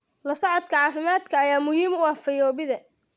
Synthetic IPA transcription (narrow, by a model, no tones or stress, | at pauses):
lɐsɐʕɔd̪kʰɐʕɑːfɪmaːd̪kʰɐːjaːmʊhiːmʊɐfɐjɔːβɪðɐ